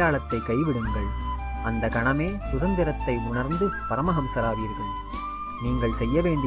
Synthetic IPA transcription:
aːɭɐt̪ːɐɪkɐɪʋɪɽɯŋɡɐɭ | ʔɐnd̪ɐkɐɳɐmeːt̪ʊɾɐnd̪ɪɾɐt̪ːɐɪʊɳɐɾnd̪ɯpɐɾɐmɐɣɐmsɐɾaːʋiːɾɣɐɭ | niːŋɡɐɭsɛjːɐʋeːɳɖɪ

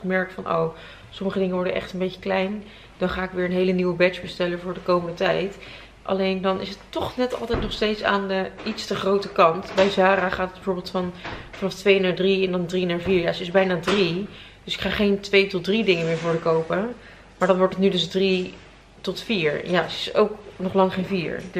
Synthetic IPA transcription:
mɛɹkfɑnʔo̰w | sɔməχədɪŋəʋɔɹdəʔɛ̰χtənbejcə̥klɛjn | d̥ɑnχaːɪkʋɪːɹənɦejləniwəbɛt͡ʃbəstɛləvʊːɹdəkowməndətɛjt | ʔɑ̰lejndɑnɪ̰s̬ətːɔχnɛtɑ̰lˠtɛjtnɔχstejtsa̰ːndəitstəχrowtəkɑntbɛjzaːɾaːχaːtət̚bəvʊːɹbɪːlˠtfɑnfɑnɑftʋejnaːɹdriɛndɑndrinaːɹviːɹjaːsəɪzbɛjnaːdrid̥ʏsɪ̥kχaːχejntʋejtɔt̚dridɪŋəmɪːɹvʊːɹdəkowpə | maːɹdɑnʋɔɹtətnydɵsdri | tɔtfiːɹjasəɪsowknɔχlɑŋχejnviːɹ

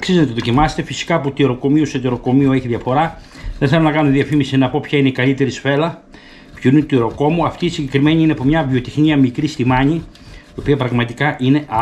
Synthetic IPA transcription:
ɐksizt̪nɐt̪oðo̞cimɐse̥t̪e̞fisi̥kɐput̪ieɾo̞ko̞miuset̪̬eɾo̞ko̞mioeçiðʝɐfo̞ɾɐ | ðenθelonɐkɐnumeðiɐfimisinɐpo̞pçɐineikɐlit̪e̞ɾisfe̞lɐ | pçuineut̪iɾo̞ko̞muɐft̪iːsiɲɟe̞kɾime̞ɲiineɐpomɲɐvio̞t̪ixniɐmikɾist̪imɐɲi | iopiɐpɾɐɣmɐt̪ikɐʔine̞ʔɐ

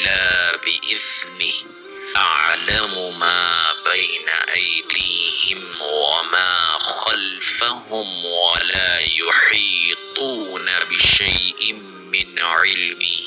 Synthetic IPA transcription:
laːbɪʔɪθnɪ | ʔaʕlamʊmaːbajna̰ʔajd̪iːhɪmwamaːxalfahʊmwalaːjʊħiːt̪ˤuːnabɪʃajʔɪ | mɪnʕɪlmɪ

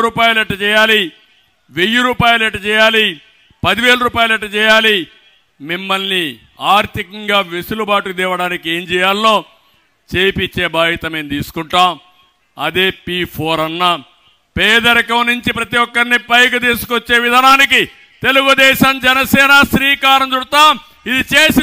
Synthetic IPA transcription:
ɾuːpaːjuleʈːɐt͡ʃɛːjaːli | ʋejuɾuːpaːjuleʈːɐt͡ʃɛːjaːli | pɐd̪iʋe̞ːlɐɾuːpaːjuleʈːɐt͡ʃɛːjaːli | mimːɐlni | aːɾt̪ikɐŋɡaːʋesulubaːʈud̪iːʋɐɽaːnikieːɲd͡ʒɛːjaːlːo̞ː | t͡ʃeːjpit͡ʃːe̞ːbaːɦɐt̪ɐme̞ːnt̪iːsu̥kuɳʈaːm | ɐd̪e̞ːpipʰo̞ːɾɐnːɐ | pɛːd̪ɐɾɐkɐmnuɲt͡ʃipɾɐt̪iɔkːɐɾnipɐjk̬ut̪iːsu̥kot͡ʃːe̞ːʋid̪ʱaːnaːnik̬i | t̪e̞luɡud̪ɛːʃɐmd͡ʒɛnɐsɛːnɐʃɾiːkaːɾɐmt͡ʃuɽɐt̪aː | id̪it͡ʃeːsi

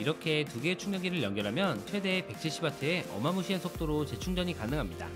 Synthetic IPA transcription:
iɾʌkʰe̞tuɡe̞t͡ɕʰuŋjʌɡiɾɯɭjʌŋɡjʌɾɦamjʌnt͡ɕʰwe̞de̞pe̞k̚t͡ɕ͈ʰiɕʰibatʰɯeʔʌ̰mamuɕʰiansʰok̚t͈oɾot͡ɕe̞t͡ɕʰuŋd͡ʑʌɲikanɯŋɦamɲida̰

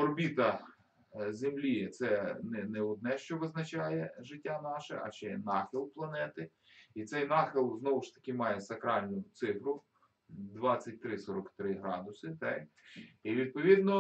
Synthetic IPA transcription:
ɔrbʲit̪ɐ | zʲemlʲit̪sɛnɛnɛʊd̪̚nɛʃt͡ʃɔʋɪznɐt͡ʃajɛʒɪtʲːanɑʃɛ̰ʔɐ̰ʃt͡ʃɛnɑxɪlˠplˠɐnɛt̪ɪ | it̪sɛjnɑxɪlˠznɔwʊʃt̪ɐ̥kʲɪmɑjɛsɐkɾɑlʲnʊt̪sɪfɾʊ | d̪ʋɑt͡sʲːɐt̚ʲt̪ɾɪsɔɾɔkt̪ɾɪɦɾɑd̪ʊsɪt̪ɛk | iʋʲid̪̚pɔʋʲid̪nɔ

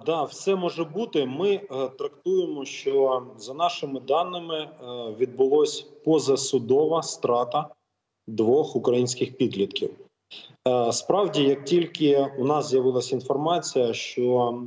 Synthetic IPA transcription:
d̪ɑwsɛmɔʒɛbut̪ɪmɪt̪ɾɐkt̪ujemɔʃt͡ʃɔzɐnɑʃɪmɪd̪ɑnːɪmɪʋʲid̪̚bʊlˠɔsʲpɔzɐsʊd̪ɔʋɐst̪ɾɑt̪ɐ | d̪ʋɔxʊkɾɐjinʲsʲkɪxpʲid̪lʲit̪kʲiw | spɾɑwdʲijɐk̚tʲilʲkɪʊnɑzzʲjɐʋɪlˠɐsʲinfɔrmɑt͡sʲijɐʃt͡ʃɔ

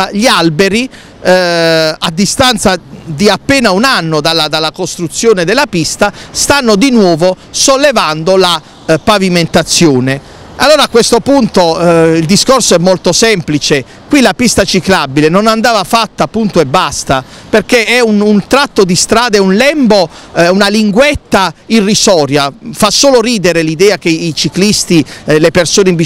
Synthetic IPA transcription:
ʎialbeɾi | ad̪ːist̪ant̪sad̪iapːeːnaunanːod̪alːad̪alːakost̪ɾut̪sːjoːned̪ɛlːapist̪ast̪anːod̪inwɔːvo | solːevand̪ola | paviment̪at̪sːjoːne | alːoːɾakːwest̪opunt̪oild̪iskorsoɛmːolt̪osɛmplit͡ʃe | kwilapist̪at͡ʃiklabːilenonand̪aːvafat̪ːaːpːunt̪oɛbːast̪aperk̟eɛununt̪ɾat̪ːod̪ist̪ɾaːd̪ɛunlɛmbounaliŋɡwɛt̪ːairːisɔːɾjafasːoːloɾiːd̪eɾelid̪ɛːak̟eit͡ʃiklist̪ilepersoːneimbi

